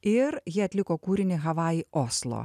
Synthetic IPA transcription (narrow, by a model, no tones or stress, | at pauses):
ɪɾjɪɐt̪ʲlʲɪkoːkuːɾʲɪnʲɪɣɐʋɑːioːslˠo̰ː